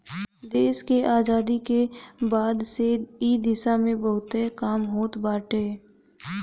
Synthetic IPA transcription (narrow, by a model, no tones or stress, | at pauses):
d̪eːskeʔaːzaːd̪ikebaːd̪seiːd̪ɪsamẽbəɦʊt̪ekaːmɦoːt̪baːʈeː